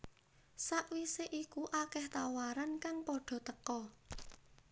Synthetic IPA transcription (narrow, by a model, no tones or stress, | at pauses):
saʔwiseʔikuʔakɛht̪awaɾankaŋpɔɖ̥ɔ̤t̪əkɔ